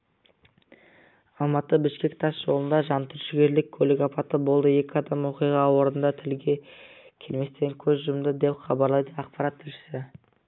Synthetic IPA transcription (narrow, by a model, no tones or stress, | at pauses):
ɑlˠmɑt̪əbɪʃkʲe̞k̚ʲt̪ʰɑsʒ̥o̞lˠənd̪ɑʒɑnt̪ʰʏɾʃɪɡʲe̞ɾlɪkʲʰɵleɡɑpɑt̪əbo̞lˠd̪əe̞kʲɪɑd̪ɑmwo̞qijʁɑwo̞ɾnənd̪ɑt̪ʰɪlɡʲe̞kʲʰe̞lme̞st̪e̞ŋkʲʰɵzʒʊɾmd̪əd̪e̞pχɑbɑɾlˠɑjd̪əɑq̚pɑɾɑt̪ʰːɪlʃɪ̥sɪ